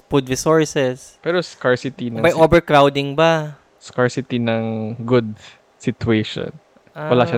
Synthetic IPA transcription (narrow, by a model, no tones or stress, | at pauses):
pud̪vɪsoɹsɛspɛːɾoskaɹsɪt̪inɐbɐjobɛɹkɾawd̪ɪŋba | skaɹsɪt̪inɐŋɡʊd̪̚ | sɪt̪ueʃo̰n | wɐlaʃa